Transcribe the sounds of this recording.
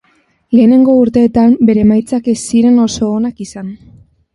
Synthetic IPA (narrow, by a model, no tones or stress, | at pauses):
le̞ːne̞ŋɡo̞uɾt̪e̞ːt̪ambe̞ɾe̞ːmajt͡sake̞siɾe̞no̞so̞ːnakisan